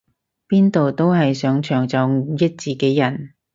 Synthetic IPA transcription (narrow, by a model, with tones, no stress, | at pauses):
piː˥nt̪o˨wt̪o˥wɦɐ˨jsœː˨˥ŋt͡ʃʰœː˨˩ŋt͡sɔ˨˧˥wjɐ˥t̚t͡siː˨˩ke˨˥jɐ˨˩n